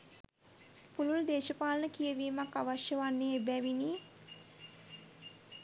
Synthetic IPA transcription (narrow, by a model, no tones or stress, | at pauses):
pululd̪eːʃəpaːlənəkijəʋiːmakːaʋaʃjəʋanːejebæʋiniː